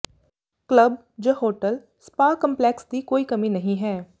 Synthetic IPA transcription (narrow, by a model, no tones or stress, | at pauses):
kləb̚ | d͡ʒɐɦoːʈəl | spaːkɐ̃mpleːksd̪ikoːikɐmĩnɐɦĩɦɛː